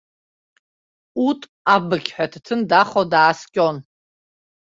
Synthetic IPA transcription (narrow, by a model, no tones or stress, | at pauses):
utʼ | abɨɡʲħʷᶣatʰtʰɨndaχodaːskʲʼon